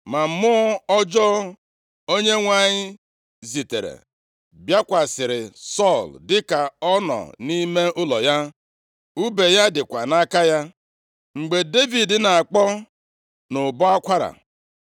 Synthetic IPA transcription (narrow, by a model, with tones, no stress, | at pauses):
ma˨m̩˦mʊ˦ɔ˦ɔ˦d͡ʒɔ˦ | o˦ɲe˦ŋʷa˨ɲɪ˦ | zi˨te˨ɾḛ˨ | bja˦kʷa˨sɪ˨ɾɪ˨sɔ˦˨ldɪ˦ka˨ɔ˦nɔ̰˨ni˦me˦ʊ˦lɔ˨ja˦ | u˦be˨ja˦dɪ˨kʷa˨na˦ka˦ja˦ | ŋ͡m̩˨ɡ͡be˨de˦vi˨dɪ˨na˨a˨k͡pɔ˦ | nʊ˨bɔ˦a˦kʷa˦ɾa̰˨